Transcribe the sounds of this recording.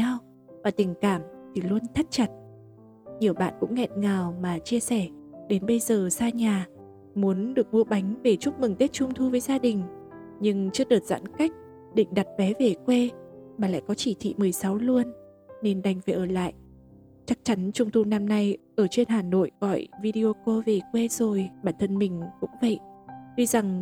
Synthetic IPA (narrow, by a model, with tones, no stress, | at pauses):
a˧w | vaː˨˩t̪ï˨˩ŋ̟kaː˧˩mt̪ʰi˨˩lu˧ənt̪ʰa˦˥t̚t͡ɕa˨˩t̚ | ɲi˨˩əwɓa̰ː˧˨nkʊ̰˧˥ŋ͡mŋɛ̰˧˨t̚ŋaː˨˩wmaː˨˩t͡ɕi˧əsɛ˧˩ɗe˨˦nɓə˧jzəː˨˩saː˧ɲaː˨˩ | mu˨˦ənɗɨ˨˩ək̚mu˧əɓa˨˦jŋ̟ve˨˩t͡ɕʊ˦˥t̚mɨ˨˩ŋt̪e˦˥t̚t͡ɕʊ˧ŋ͡mt̪ʰu˧vəː˨˦jzaː˧ɗï˨˩ŋ̟ | ɲɨ˧ŋt͡ɕɨ˧əɗəː˨˩t̚za̰ː˧˥nka˦˥jk̟̚ | ɗḭ̈˧˨ŋ̟ɗa˨˩t̚vɛ˨˦ve˨˩kwe˧maː˨˩la̰ː˧˨jkɔ˨˦t͡ɕi˧˩t̪ʰḭ˧˨mɨ˨˩əjsa˨˦wlu˧ənː | e˧nɗa˧˩jŋ̟ve˨˩ʔəː˧˩la̰ː˧˨j | t͡ɕa˦˥k̚t͡ɕa˨˦nt͡ɕʊ˧ŋ͡mt̪ʰu˧na˧mna˧jʔəː˧˩t͡ɕwe˧nɦaː˨˩no̰˧˨jʔɣɔ̰˧˨jvi˧ɗi˧o˧ko˧ve˨˩kwe˧zo˨˩jɓaː˧˩nt̪ʰə˧nmï˨˩ŋ̟kʊ̰˧˥ŋ͡mvə̰˧˨jɗwi˧za˨˩ŋ